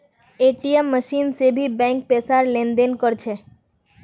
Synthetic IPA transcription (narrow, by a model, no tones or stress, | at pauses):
eʈiemːəʃinsebʱibɛ̃ŋk̚pesaɾlend̪enkɔɾt͡ʃʰe